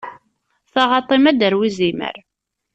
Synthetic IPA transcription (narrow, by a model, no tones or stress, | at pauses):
θɑʁɑt̪ˤːimæd̪əɾwizimə̰ɾ